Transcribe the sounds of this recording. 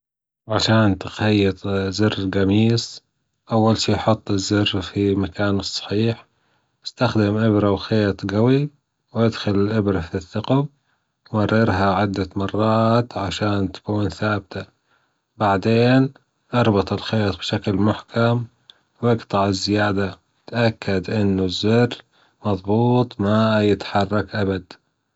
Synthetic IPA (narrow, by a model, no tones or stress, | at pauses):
ʕaʃaːnt̪ɪxajːɪt̪ˤzɪrːɡamiːs | ʔawːalʃiːʔħʊt̪ˤːɪzːɪrːfimakaːnɨsˤːɑ̥ħiːħ | ʔɪ̥st̪axd̪ɪmʔɪbɾawxeːt̪ˤɡawi | wʔad̪xʊlɪlʔɪbɾɑfiθːɪqɑb | ɑrːɪɾɦaʕɪd̪ːamɑrˤːɑːt̪ʕaʃaːnt̪ḁkuːnθaːb̚t̪a | baʕd̪eːn | ʔɑɾˤbɑt̪ˤɪlxeːt̪ˤbʃaklmʊħkam | wɪɡt̪ˤɑʕɪzːɪjaːd̪a | ɪt̪ʔakːad̪ʔɪnːʊzːɪrː | mɑðˤbuːt̪ˤmajɪt̪ħɑrˤːɑkʔabad̪